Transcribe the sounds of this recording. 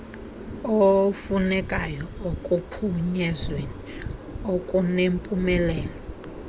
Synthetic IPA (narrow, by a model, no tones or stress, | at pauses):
ofunɛkʼajɔokʼupʰuɲɛzweniokʼunempʼumɛlɛːlɔ